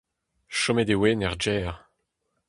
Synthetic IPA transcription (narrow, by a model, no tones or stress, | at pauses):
ʃɔmed̪ewenɛʁd͡ʒɛːʁ